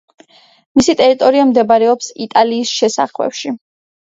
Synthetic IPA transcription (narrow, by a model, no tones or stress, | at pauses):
misit̪ʼɛɾit̪ʼɔɾiamd̪ɛbɾɛɔpsit̪ʼaliːsʃɛsa̰χwɛ̰pʃi